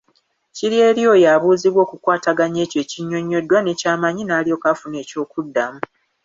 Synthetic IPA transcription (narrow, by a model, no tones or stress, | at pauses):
ciɾjeːɾjo̞ːjaːβuːziβwo̞ːkukwaːtaɡaɲe̞ːce̞ːciɲːo̞ɲːo̞dwane̞caːmaɲinaːlio̞ːkafune̞ːco̞ːkudːamu